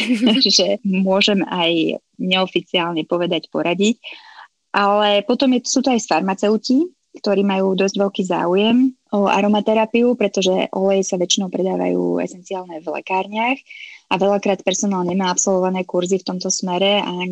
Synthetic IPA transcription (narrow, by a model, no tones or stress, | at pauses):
ʒɛmʊɔʒɛmaj | ɲɛɔfit͡siaːlɲɛpɔʋɛd̪acpɔɾaɟic | ʔalɛpɔt̪ɔmjɛsuːt̪ɔajsfaɾmat͡sɛʊci | kt̪ɔɾiːmajuːd̪ɔzɟʋɛʎkiːza̰ːujɛm | ɔa̰ɾɔmat̪ɛɾapiupɾɛt̪ɔʒɛʔɔlɛjɛsaʋɛt͡ʃinɔʊpɾɛd̪aːʋa̰jṵːɛ̰sɛnt͡siaːlɲɛvlɛ̰kaːɾɲɪaxaʋɛʎakɾaːt̪̚pɛɾsɔnaːlɲɛmaːapsɔlʋɔʋanɛːkuɾzift̪ɔmt̪ɔsmɛɾɛa̰